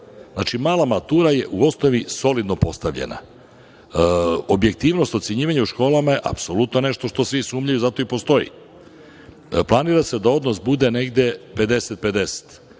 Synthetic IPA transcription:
znat͡ʃimaːlˠamat̪uːɾaje̞ʔuo̞snoʋiso̞lid̪no̞po̞st̪aʋʎḛna̰ | obje̞k̚t̪iːʋno̞st̪ot̪seɲiːʋaɲeuʃko̞ːlˠamaje̞ʔa̰pso̞lut̪no̞ne̞ʃt̪o̞ʃt̪o̞sʋisuːmʎajuzat̪o̞ipo̞st̪o̞jḭ | plˠaniːɾase̞d̪ao̞d̪no̞sbud̪e̞ne̞ɡd̪e̞pe̞d̪e̞set̪̚pe̞d̪e̞se̥t̪

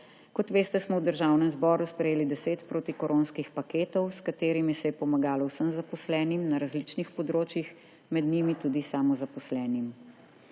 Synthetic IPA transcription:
kɔt̪ʋeːst̪ɛsmɔwd̪əɾʒawnɛmzbɔːɾuspɾɛjeːlid̪ɛseːt̪pɾoːt̪ikɔɾoːnskixpakeːt̪ɔwskat̪eːɾimisɛjɛpɔmaɡaːlɔwsəmzapɔslɛːnimnaɾazlit͡ʃnixpɔd̪ɾoːt͡ʃjix | mɛd̪nimit̪uːd̪isaːmɔzapɔslɛːnim

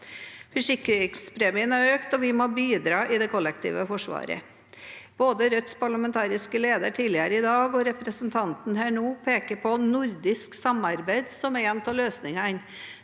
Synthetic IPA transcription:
fœʂɪkːɾɪŋspʰɾeːmɪənæɾøːkt̪ɔʋɪmoːbiːd̪ɾɑːʔɪd̪ɛkʰɔlːɛkt̪ʰḭːʋəfɔʂʋɑ̰ːɾə̰ | b̥oːd̪əɾœt̪spʰɑɭɑmɛnt̪ʰɑːɾɪskəleːd̪əʈʰiːlɪəɾəɪd̪ɑːɡɔɾɛpɾəsənt̪ʰɑnt̪n̩hæːɳuːpʰeːkəɾpʰɔnʊɾd̪ɪsksɑmɑɾbæɪd̪sɔmɛɛnt̪ʰɑːɭøːsnɪŋɑɪn

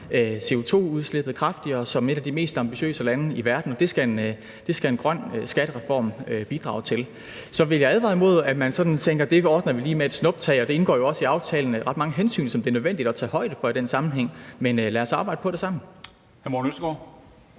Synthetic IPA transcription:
øse̝o̝t͡sʰo̝̰ːuðˠsleb̥ð̞̩ˠkʰʁɑ̈fd̥iɐːsɒ̽me̝ɾ̥æd̥ime̝̰ːsd̥ɑ̈mb̥iɕø̰ːsəlænəiʋæɐd̥n̩ɒ̽d̥e̝sɡ̥æen | d̥e̝sɡ̥æe̝nɡ̥ʁɶn̰sɡ̥æɾ̥əʁɛfɒ̰ːmb̥id̥ʁɑ̰̈ʊt͡sʰe̝l | sɒ̽ʋe̝ljɑ̈æðˠʋɑ̈ɪð̩ˠmo̝ð̞̰ˠæmænsɒ̽d̥n̩t͡sʰeŋ̰ɡ̥ɐd̥e̝ɒːd̥nɐʋiliːmeæd̥snɔ̽b̥t͡sʰɛ̰ːɪɒd̥e̝e̝nɡ̥ɒ̰ːjo̝ɒ̽siɑ̈ʊt͡sʰɛ̰ːln̩ʁɑ̈d̥mɑ̈ŋəɦensy̰ːnsɒ̽md̥e̝æɐnøðˠʋen̰d̥id̥ɒt͡sʰɛ̰ːɦɒ̽ɪ̰d̥əfɒ̽id̥ensɑ̈mn̩ɦeŋ̰menølæːɐsɑ̈ːb̥ɑ̈ɪd̥əpʰɒ̽ɾ̥e̝sɑ̈m̰n̩ | hæɐmonøsɡ̥ɒ̰

